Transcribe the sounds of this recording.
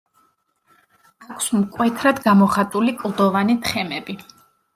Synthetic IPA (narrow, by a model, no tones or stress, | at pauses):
akʰsmkʼwɛt̪ʰɾad̪ɡamɔχat̪ʼulikʼlˠd̪ɔvanit̪ʰχɛmɛbi